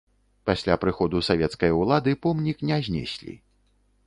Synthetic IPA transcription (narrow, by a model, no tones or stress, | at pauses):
pasʲlʲapɾɨxɔd̪usavʲɛt̪skɐjɐwlˠad̪ɨpɔmnʲiknʲɛzʲnʲɛ̰sʲlʲḭ